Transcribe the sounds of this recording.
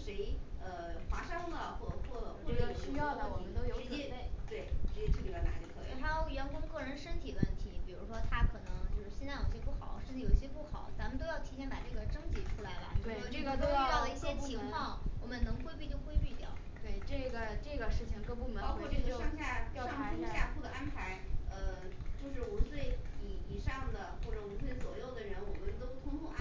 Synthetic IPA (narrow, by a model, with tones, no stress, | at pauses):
ʂe˧˥ɪə˧xwa˧˥ʂɑ˥lə˨˩xwɔ˥˩ə˨˩kʰwɔ˥˩lə˩xwwʈ͡ʂi˥jɑ˥˩ʊd̪ə˨˩wɔ˨˩mə˦nt̪o˥ʊjo˨ʊ˥˧fe˥˩ɪt̪we˥˩ɪi˥˩ə˥˩i˧˩a˥˩na̰˧˥i˧˩kʰxʰa˥jo˧˥ʊ˧˩ɥɛ˧˥nkʊ˥ŋkɤ˥˩ɻə˧˥nʂə˥nt̪ʰi˨˩ʋə̰˥˩nt̪ʰi˧˥pi˨˩ɻu˧˥ʂwɔ˥t̪ʰa˥kʰɤ˨˩nɤ˧˥ŋt͡ɕjo˥˧ʊʂɻ̩˥˩ɕɛ˥˧nt͡sa˥˩jo˨˩i˧˥jɛ˥pu˥˩xɑ̰˨˩˦ʂə˥˧t͡sʰjo˨˩i˥˩ɕjɛ˥pu˥˩xɑ˨˩˦ʊt͡sa˧˥mə˧t̪o˥ʊjɑ˥˩ʊt̪ʰi˧˥jɛ˥˩npa̰˨˩ʈ͡ʂɤ˥˩ɡə˩ʈ͡ʂɤ˥ŋt͡ɕi˨˥ʈ͡ʂʰu˥la˧˥ɪlə̰˧˥˧ɡt̪o˥ʊ˥˧˥li˥˩ɕjɛ˥t͡ɕʰi˧˥ŋkwɑ˥˩ŋwɔ˨˩mə˦nnɤ˧˥ŋkwe˥ɪpi˥˧˩t͡ɕjo˥˧ʊkwe˥ɪpi˥˩t̪jɑ̰˨˩ʊ | t̪we˥˩ɪʈ͡ʂɤ˥˩ɡə˩ʈ͡ʂɤ˥˩ɡə˩ʂɻ̩˥˩t͡ɕʰi˩ŋʈ͡ʂɤ˥˩ɡə˧pu˥˩mə˨˦ɑ˥ʊkwɔ˥˧˥ʈ͡ʂɤ˥˩˧ɡə˥˧ʂɑ˥ŋɕja˥˧tjɑ˥˧ʊɑ˥a˥ɕja˥˧kʰu˥˩d̪ə˩ʔa˥npʰa˧˥ɪə˧t͡ɕjo˥˧ʊʂɻ̩˥˩u˧˥swe˥˩ɪi˨˩i˨˩ʂɑ˥˩ŋd̪ə˩xwɔ˥˩ʈ͡ʂɤ˧˩u˧˥swe˥˩ɪt͡swɔ˨˩jo˥˩ʊd̪ə˩ɻə˧˥nwɔ˨˩mə˦nt̪o˥ʊt̪ʰʊ˥ŋkʰɔ˥˧˥